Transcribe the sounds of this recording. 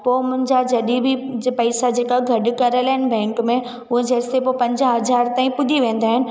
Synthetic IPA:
poːmʊ̃ɦɪ̃ɲd͡ʑad͡ʑʱɐɗibʱɪd͡ʑpɐɪsad͡ʑeːkaɡʱɐɗʊ̆kɐɾəlaːɦɪnɪ̆bʱɛ̃ːŋkmẽ | ʊɦẽd͡ʑɐːɪsepopɐ̃ɲd͡ʑəɦɐzaːɾt̪aːĩpʊd̪ʱiʋẽːn̆d̪aːɦɪnɪ̆

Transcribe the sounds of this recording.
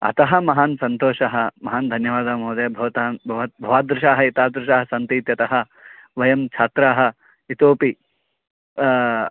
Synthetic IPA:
ɐ̰t̪ɐɦɐ̆mɐɦaːnsɐnt̪oːʃɐɦɐmɐɦaːnd̪ʱɐnjɐʋaːd̪aːmɦoːd̪ɐjɐbʱɐʋɐt̪aːbɐʋ̪bʱɐʋaːd̪ɾʊʃaːɦɐit̪aːd̪ɾɪʃaːɦɐsɐnt̪iːt̪jɐt̪ɐɦɐ | ʋɐjɐmt͡ʃʰaːt̪ɾaːɦɐ̆ | it̪oːpi

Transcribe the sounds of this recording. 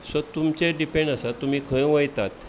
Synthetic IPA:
sət̪umt͡ɕeɖipẽɳɖəsat̪um̤iːkʰə̃jẽʋəjt̪at̪

